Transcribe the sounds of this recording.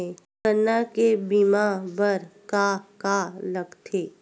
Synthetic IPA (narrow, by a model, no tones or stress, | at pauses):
ekəɾnakebimabəɾkakaləɡt̪ʰeː